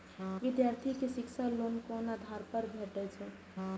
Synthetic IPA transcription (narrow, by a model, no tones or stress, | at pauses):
ʋɪd̪jaɾt̪ʰikesiksalonkɔnad̪ʱaɾpəɾbʱeʈɛt͡ʃʰɛ